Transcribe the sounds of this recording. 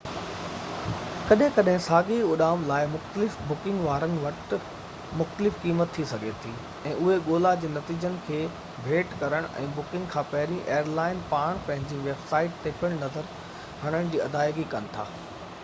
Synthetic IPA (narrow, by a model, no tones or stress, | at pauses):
kɐɗɦɪ̃kɐɗɦɪ̃saːɡiʊɗaːmlaːɪmʊxt̪əlɪfbʊkɪ̃ŋɡʋaːɾənɪ̆ʋɐʈ | mʊxt̪əlɪfkiːmət̪ʰːisɐɡʱet̪ʰiː | ɛ̃ːʊɦeɠoːlad͡ʑeːnɐt̪iːd͡ʑənɪ̆kʰeː | bʱeːʈkɐɾəɽ̃ʔɛ̰̃ːbʊkɪ̃ŋɡkʰãːpɐɦɪɾĩʔeːəɾlaːɪnpaːɽ̃pɐ̃ɦɪ̃ɲd͡ʑiʋeːbsaːɪʈ̚t̪eːpʰəɽ̃nɐzəɾ | ɦɐɽ̃əɽ̃d͡ʑiːɐd̪aːɪɡikɐnɪ̆t̪ʰa̰ː